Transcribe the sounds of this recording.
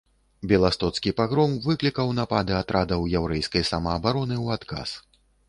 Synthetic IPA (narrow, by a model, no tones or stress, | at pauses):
bʲɛlˠast̪ɔt̪skʲipaɣɾɔmvɨklʲikɐwnapad̪ɨat̪ɾad̪ɐwjɛwɾɛjskɐjsɐmɐːbaɾɔnɨwat̪ka̰s